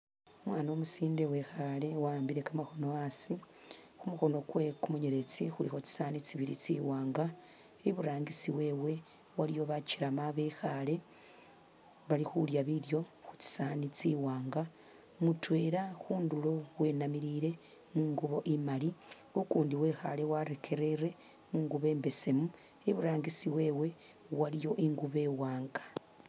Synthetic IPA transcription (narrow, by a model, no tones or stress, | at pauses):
omwaːno̞ːmusiːnde̞wexale̞waːmbiɾe̞kamaxo̞no̞asi | xumuxo̞no̞kwekumuɲeɾet͡sixuɾixot͡si̥saːnit͡siβiɾḭt͡sḭwaːŋɡa | iβuɾaːŋɡisiwe̞ːwe̞ | waɾijo̞βaciɾamaβexale̞ | βalixuljaβiljo̞ | xu̥t͡si̥sanit͡siwaːŋɡa | mutwe̞ːɾa | xuːndulo̞ | we̞ːnamiɾiɾe̞ | niːŋɡuβo̞ʔimali | ukuːndiwe̞ːxale̞waɾekʰe̞ɾe̞ɾe̞ | iŋɡuβe̞ːmbe̞se̞mu | eβuɾaːŋɡisiwe̞ːwe̞ | walijo̞ʔiŋɡuβe̞waːŋɡḁ